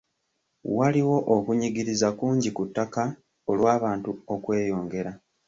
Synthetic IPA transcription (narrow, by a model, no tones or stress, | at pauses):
waliwo̞ʔokuɲiɡiɾizakuːɲɟikutːaka | olwaːβaːntuokwe̞ːjo̞ːŋɡe̞ɾa